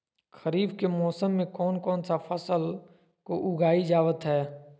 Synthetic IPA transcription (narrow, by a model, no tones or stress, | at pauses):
xəɾiːbkemɔːsəmːẽkɔːnkɔːnsafəsəl | koʔʊɡʱaːid͡ʒaːʋət̪ɦɛː